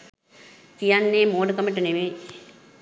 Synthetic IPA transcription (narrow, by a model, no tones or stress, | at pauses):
t̪ijanːeːmoːɖəkɐməʈəneʋeː